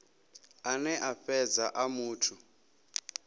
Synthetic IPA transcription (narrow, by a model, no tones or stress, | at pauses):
anɛʔaɸɛd͡zaʔamuːtʰu